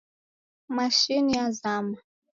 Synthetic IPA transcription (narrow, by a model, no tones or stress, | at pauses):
maʃinijazama